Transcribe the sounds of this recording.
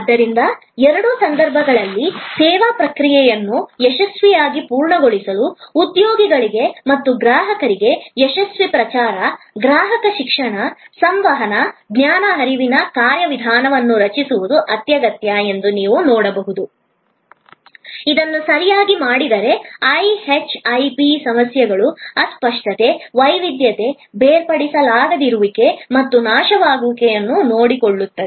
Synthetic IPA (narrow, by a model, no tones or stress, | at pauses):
d̪ːɐɾind̪ɐ | ɛɾɐɽuːsɐnd̪ɐɾbʱɐɡɐɭɐlːisɛːʋapɾɐkɾijɛjɐnːujɛʃɐsʋijaːɡipuːɾɳɐɡoɭisɐluːt̪joːɡiɡɐɭiɡe̞mɐt̪ːuɡɾaːɦɐkɐɾiɡe̞jɛʃɐsʋipɾɐt͡ʃaːɾɐ | ɡɾaːɦɐkɐʃikʂɐɳɐsɐmʋɐɦɐnɐɡnjaːnɐɦɐɾiʋinɐkaːɾjɐʋid̪ʱaːnɐʋɐnːuɾɐt͡ʃisuʋud̪uʔɐt̪jɐɡɐt̪jɐe̞nd̪uniːʋunoːɽɐbɐɦud̪u | id̪ɐnːusɐɾijaːɡimaːɽid̪ɐɾe̞ɐjhet͡ʃɐjpisɐmɐsjɐɡɐɭuɐspɐʂʈɐt̪e̞ʋɐjʋid̪jɐt̪e̞ | beːɾpɐɽisɐlaːɡɐd̪iɾuʋike̞mɐt̪ːunaːʃɐʋaːɡukɛjɐnːuno̞ːɽikoɭːut̪ːɐd̪e